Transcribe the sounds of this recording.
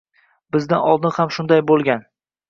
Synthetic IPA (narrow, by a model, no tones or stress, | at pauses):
bɪzd̪anɒ̰lˠd̪ɪnhamʃʊnd̪ajbolˠɡʲan